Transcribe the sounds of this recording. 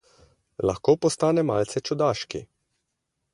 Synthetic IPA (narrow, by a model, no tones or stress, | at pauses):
la̰xkoːpɔst̪aːnɛmaːlt̪sɛt͡ʃɔd̪aːʃki